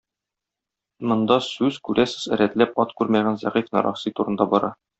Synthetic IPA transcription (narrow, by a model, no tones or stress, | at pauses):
mŏnd̪ɑsʉzkʉɾʔæsɘ̥zɘ̆ɾæt̪læpɒt̪kʉɾmæʁænzæ̰ʁifnɒ̰ɾʔɑ̰χsit̪uɾɤ̆nd̪ɑbɒɾʔɑ